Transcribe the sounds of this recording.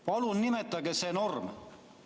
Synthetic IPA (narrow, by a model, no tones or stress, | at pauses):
pɑlunnimet̪ːˑɑɡeseno̞rm